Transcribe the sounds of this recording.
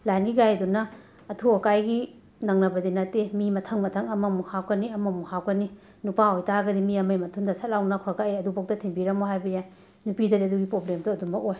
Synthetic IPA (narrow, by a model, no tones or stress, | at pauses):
lajnɡiɡajɐdunɐː | tʰuɐkajɡi | nɐŋnɐbɐdinɐtemimɐtʰɐŋmɐtʰɐŋɐmɐmuhawkɐniɐmɐmuhawkɐni | nupaojtaɡɐdimiɐmɐjmɐtʰuŋdɐsɐt̚lawnɐkʰɔɾɐkaeɐdubɐk̚tɐtʰimbiɾɐmoɦajbɐjaj | nupidɐdiɐduɡipɾoblemduɐdumbɐkoj